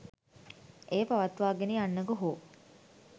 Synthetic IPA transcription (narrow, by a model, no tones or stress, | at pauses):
ʔeːpaʋat̪ʋaːɡenianːəɡəɦoː